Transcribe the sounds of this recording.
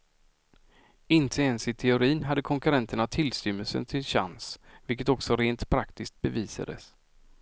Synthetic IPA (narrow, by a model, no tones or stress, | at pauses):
ɪnt̪ʰəɛnsɪt̪ʰɛʊɾiːnɦad̪ːəkʰɔŋkɵɾɛnt̪əɳat̪ʰɪlsʏmːəlsə̰nt̪ʰɪlɕa̰nsvɪlkət̪ɔksɔɾeːnt̪pʰɾakt̪ɪsk̚t̪̚bɛviːsa̰d̪ə̰s